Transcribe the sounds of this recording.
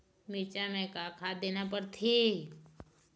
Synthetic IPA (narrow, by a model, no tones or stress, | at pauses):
miːt͡ʃamɛ̃kakʰaːd̪eːnapəɾt̪ʰi